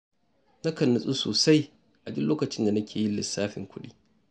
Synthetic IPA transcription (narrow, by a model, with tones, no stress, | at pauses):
na˦kɐ˨nːɐ˨sʼu˦soː˨sa˦j | ʔa˨dʊ˦loː˦kɐ˨t͡ʃɪ˦nda˨nɐ˦kʲʰeː˨ji˦lːɪ˨sːaː˦ɸɪ̰˨ŋkʷʰʊ˦ɗiː˦